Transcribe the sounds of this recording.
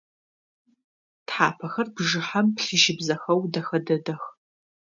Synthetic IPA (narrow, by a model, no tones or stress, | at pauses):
tħaːpʰɐxɐrbʒɨħampɬɨʃɪbzɐxɐwdɐxɐdɐdɐx